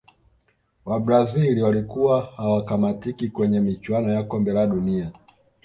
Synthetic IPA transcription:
wabɾaziliwalikuwahawakamatikikwɛɲɛmit͡ʃwanɔjakɔmbɛlaɗunia

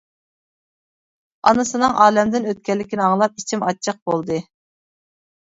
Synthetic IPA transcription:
ɑ̰nɨsɨnɨŋʔɑːlɛmd̪ɪnøt̪̚kʲɛlːɪkʲinɪɑŋlˠɑp̚it͡ʃʰimɑt͡ʃʰːəq̚bolˠd̪ɨ

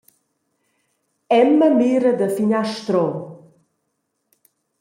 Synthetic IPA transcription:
ɛmːəmiɾəd̪əfiɲaʃt̪ɾɔ

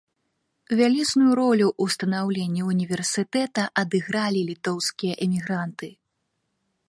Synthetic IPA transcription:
vʲalʲisnujuɾɔlʲuʔust̪ɐnawlʲenʲːiunʲivʲɛrsɨt̪ɛt̪ɐʔɐd̪ɨɣɾalʲilʲit̪ɔwskʲijɐʔɛmʲiɣɾant̪ɨ

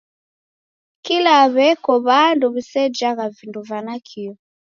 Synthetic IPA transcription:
kilaβɛkɔβanduβisɛd͡ʒaɣavinduvanakʰiɔ

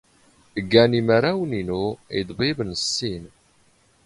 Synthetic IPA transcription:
əɡːæniməɾawəninuid̪ˤbivnəsːin

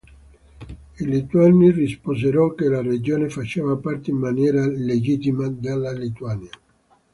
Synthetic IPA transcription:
ilit̪uanːirispozeɾɔkːelared͡ʒoːnefat͡ʃevapart̪eimːanjɛːɾaled͡ʒit̪imad̪alːalit̪uanja

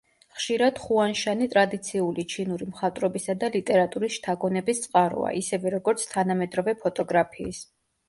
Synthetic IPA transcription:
χʃiɾad̪̥χuanʃanit̪ʼɾad̪it̪sʰiulit͡ʃʰinuɾimχat̪ʼɾɔbisad̪alit̪ʼɛɾat̪ʼuɾisʃt̪ʰaɡɔnɛbist̪sʼqʼaɾɔ̰a̰ʔisɛvɛɾɔɡɔɾt̪sʰt̪ʰanamɛd̪ɾɔvɛpʰɔt̪ʼɔɡɾapʰiːs

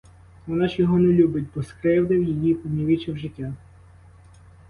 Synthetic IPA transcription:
ʋɔnɑʃjɔɦɔnɛlʲubɪtʲbɔskɾɪwd̪ɪwjijipɔnʲiʋʲit͡ʃɪwʒɪtʲa

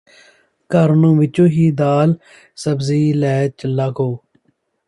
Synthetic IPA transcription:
kəɾnõːʋɪt͡ʃõːɦiːd̪aːl | səbziːlɛːt͡ʃəlːaːkoː

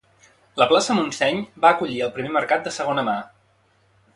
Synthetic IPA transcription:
ləplasəmunsɛɲbaəkuʎiəlˠpɾimeməɾkat̪̚d̪əsəɣonəma

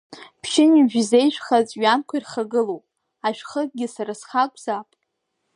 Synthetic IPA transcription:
pʰʃɪniʒᶣze̞jʃᶣʷχat͡sʼɥankʷʰairχaɡɨlowpʼ | aʃʷᶣχətʼɡʲɪsaɾasχakʷʼz̥apʼ

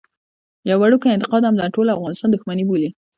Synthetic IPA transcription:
jawaɽukaɪnt̪ɪ̥qɑd̪amd̪aʈolafɣɑnɪst̪ɑnd̪ʊxmanibuli

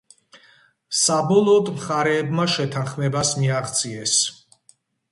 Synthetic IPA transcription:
sabɔlˠɔːd̪mχaɾɛːbmaʃɛt̪ʰanχmɛbasmiaʁt̪sʼiɛs

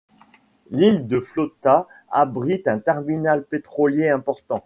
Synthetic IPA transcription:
lild̪əflot̪a | abʁit̪ɛ̃t̪ɛʁminalpet̪χɔljeɛ̃pɔʁt̪ɑ̃

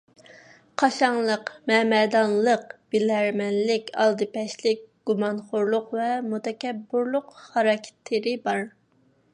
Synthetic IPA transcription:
qʰɑʃɑŋlˠəqmɛmɛd̪ɑnlˠəqb̥ilæɾmɛnlɪkʲɑ̰lˠd̪ɨpɛʃlɪk̚ʲɡ̥umɑnχoɾlˠʊqvɛmut̪ɛkʲɛbːuɾlˠʊqhɑɾɑkʲʰt̪ʰːɪɾɪbɑɾ

